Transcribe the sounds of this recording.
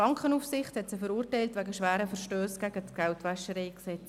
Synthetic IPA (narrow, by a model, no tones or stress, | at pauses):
ɑŋkχənufsɪχthɛtsɪfəɾuːrtɛɪltʋæɡəʃʋæːɾəfəɾʃtøːsɡ̥æɡətɡ̥ɛltʋæʃəɾeɪksɛt͡s